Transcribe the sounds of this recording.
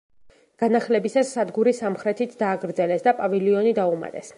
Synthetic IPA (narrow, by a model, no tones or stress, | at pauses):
ɡ̥anaχlɛbisasːad̪ɡuɾisamχɾɛt̪ʰit̪ʰd̪̥aːɡɾd̪zɛlɛsd̪apʼavɛliɔnid̪auma̰t̪ʼɛs